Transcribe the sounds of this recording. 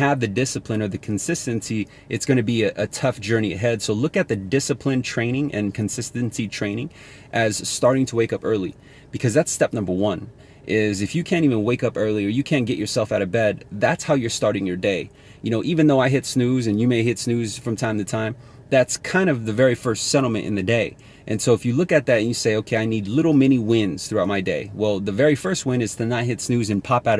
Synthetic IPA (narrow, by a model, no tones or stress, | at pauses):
ɨvðɨdɪsɨpʰlɨ̃nə˞ðɨkʰn̩sɪstɨ̃nsi | ʔɨtsɡ̥ʌñɨbiɨʔɨtʰʌfd̥ʒ̥ɜ˞niɨ̰ɦɛd̥soʊlʊkɨt̪̚ðɨdɪsɨpʰlɨ̃ntʰɹ̥ẽɪ̃ɾ̃ɪ̃ŋʔɨ̰̃nkʰɨ̃n̩sɪstɨ̃nsitʰɹ̥ẽɪ̃ñɪ̃ŋ | ʔɨz̥stɑɹɾɪ̃ŋtʰəweɪkʌpɜ˞lˠi | b̥ɨkʰʌzðætstɛp̚nʌ̃mbə˞wʌ̃n | ʔɪzɨfjɨkʰæ̃nivɨ̃nweɪkʌpɜ˞lˠiə˞jɨkʰæ̃nɡ̥ɛt͡ʃə˞sɛlˠfaʊɾʌvbɛd̪̚ðætshaʊjə˞stɑɹɾɪ̃ŋjə˞deɪ | jɨnoʊʔivɨ̃nðoʊaɪɦɪtsnʉzɨ̃njɨmeɪɦɪtsnʉz̥fɹʌ̃mtʰãɪ̃mtʰɨtʰãɪ̃m | ðætskʰãɪ̃ndʌvðɨvɛɹifɜ˞stsɛɾl̩ˠmɨ̰̃nʔɨ̰̃nðɨdeɪ | ʔɨ̃nsoʊəfjɨlʊkɨt̪̚ðɨɾɨ̃njɨseɪoʊkʰeɪaɪnidˡlɪɾl̩ˠmɛñiwɪ̃ndz̥θɹʉaʊt̚maɪdeɪwɛlˠðɨvɛɹifɜ˞st̚wɪ̃ñɨz̥tʰɨnɨt̚ɦɪtsnʉzɨ̃npʰɑpaʊɾ